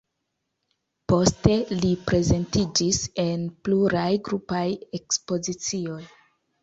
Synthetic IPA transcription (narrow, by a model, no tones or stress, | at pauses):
po̞ste̞lipɾe̞ze̞ntid͡ʒise̞npluɾajɡɾupaje̞kspo̞zit͡sio̞j